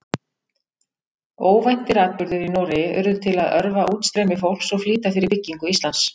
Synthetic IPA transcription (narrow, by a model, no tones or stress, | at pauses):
oːwvajn̥t̪ɪɾaːð̚pʏɾðʏɾinɔːɾɪʏ̰ɾðʏt̪ʰɪlaðœɾvaʔuːt̪st̪ɾɛːmɪfowlsɔɣfliːt̪afɪɾɪɾpɪcːiŋkʏist̪lans